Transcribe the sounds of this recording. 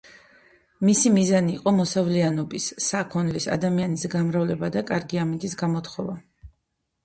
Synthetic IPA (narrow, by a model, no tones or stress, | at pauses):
misimizaniːqʼɔmɔsavlianɔbisːakʰɔnlisa̰d̪amianisɡamɾavlɛbad̪akʼaɾɡiamit̪ʼisɡamɔt̪ʰχɔva